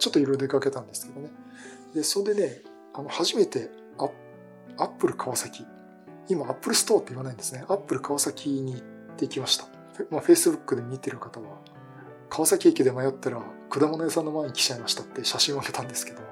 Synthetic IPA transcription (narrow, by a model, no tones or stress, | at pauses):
t͡ɕo̞t̪ːo̞iɾoɾod̪eekake̞t̪ãnd̪e̞sɨ̥ke̞d̪o̞ne | d̪e̞sod̪e̞ne̞ | ano̞haʑime̞t̪e̞ | a | apːɯ̟ɾɯ̟kʰaβasakʲi | imaːpːɯ̟ɾɯ̟sɨ̥t̪oːt̪ːe̞iβanaĩnd̪e̞sɨne̞ʔapːɯ̟ɾɯ̟kaβasakʲiɲ̟i | t̪ːeikʲimaɕi̥t̪ḁ | maɸe̞ːsɨbɯ̟kːɯ̟d̪e̞mʲit̪e̞ɾɯ̟kat̪aβa | kʰaβasakʲeːkʲed̪e̞majo̞t̪ːaɾakɯ̟d̪amonoesãnːo̞maeɲ̟ikʲi̥t͡ɕaimaɕi̥t̪at̪ːe̞ɕaɕĩɰ̃okake̞t̪ãnd̪e̞sɨ̥ke̞d̪o̞